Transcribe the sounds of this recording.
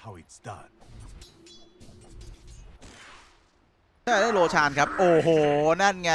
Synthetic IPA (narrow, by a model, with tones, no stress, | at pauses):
ha˧witsda̰˥t̚ | t̪ʰa˥˩˨da˥˩loː˧t͡ɕʰaː˧nkʰa˦˥p̚ʔoː˨˩ɦoː˨˩na˥˩nŋa˦˥